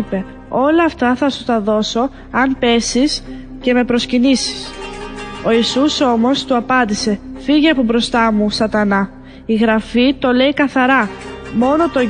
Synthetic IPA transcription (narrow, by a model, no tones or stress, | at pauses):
pe̞ | o̞lɐːft̪ɐθɐsut̪ɐðo̞so̞ | ɐnpe̞sis | ce̞me̞pɾo̞scinisi̥s | o̞isuso̞mo̞st̪uɐpɐnd̪ise̞fiʝeɐpobɾo̞st̪ɐmusɐt̪ɐnɐ | iɣɾɐfit̪o̞le̞ikɐθɐɾɐmo̞not̪o̞